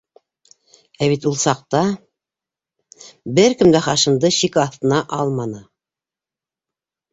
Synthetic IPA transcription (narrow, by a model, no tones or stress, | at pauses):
æβit̪ulˠsɑq̚t̪ɑ | bɘɾkɘ̆md̪æχɑʃɤ̆nd̪ɤʃikɑθt̪ɤ̆nɑʔɑlˠmɑnɤ